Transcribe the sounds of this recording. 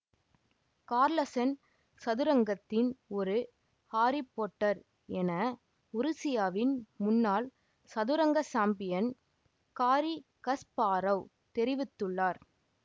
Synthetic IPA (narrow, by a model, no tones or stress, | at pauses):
kaːɾlɐsɐn | sɐðʊɾɐŋɡɐt̪ːɪnɔɾɯ | haːɾɪpːoːʈːɐɾ | ɛnɐ | ʊɾɯsɪjaːʋɪnmʊnːaːl | sɐðʊɾɐŋɡɐsaːmbɪjɐn | kaːɾikɐspaːɾɐʊ | t̪ɛɾɪʋɪt̪ːɯɭːaːɾ